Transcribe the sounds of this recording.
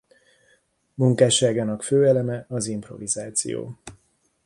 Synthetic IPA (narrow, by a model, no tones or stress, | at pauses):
muŋkaːʃaːɡaːnɒkføːɛlɛmɛɒzimpro̞̰vizaːt̪sḭjo̰ː